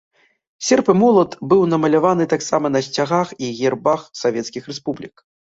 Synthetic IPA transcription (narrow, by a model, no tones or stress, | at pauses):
sʲɛrpɨmɔlˠɐt̪bɨwnɐmɐlʲavanɨt̪aksamɐnɐsʲt͡sʲaɣaxiɣʲɛrbaxsavʲɛt̪skʲixɾɛspublʲik